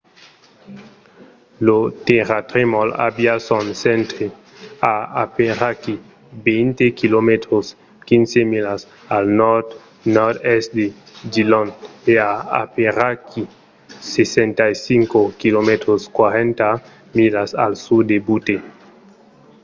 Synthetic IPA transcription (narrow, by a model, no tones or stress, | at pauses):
lot̪eɾat̪ɾemɔla̰bjasɔnsent̪ɾe | aapeɾaki | bejnt̪ekilomet̪ɾos | kinsemilas | alnɔɾt̪ | nɔɾt̪ɛsd̪e | d͡ʒilɔneaa̰peɾaki | sesent̪ajsiŋkokilomet̪ɾoskwaɾent̪a | milasa̰lsud̪ebut̪e